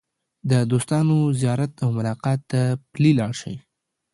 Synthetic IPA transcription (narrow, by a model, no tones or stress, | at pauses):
d̪əd̪ost̪ɑnozijɑɾat̪awmʊlɑqɑt̪ːaplilɑɽʃə̰j